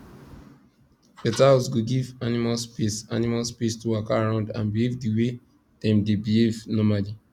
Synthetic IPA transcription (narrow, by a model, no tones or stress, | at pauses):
fɛtasɡoɡivanimalspisa̰nimalspistuwakaɹãʊ̃ndã̰nbihevdiwe | dɛ̃mdebihevnɔmali